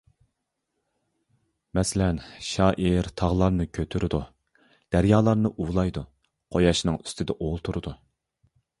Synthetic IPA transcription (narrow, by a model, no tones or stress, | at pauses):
mɛsɪlɛnʃɑːʔiɾt̪ʰɑʁlˠɑɾnɨkʲʰøt̪ʰyɾɪd̪u | d̪̥æɾjɑːlˠɑɾnɨʔuwlˠɑjd̪u | qʰojɑʃnɨŋy̥st̪ʰɪd̪ɛʔolˠt̪ʰuɾɨd̪u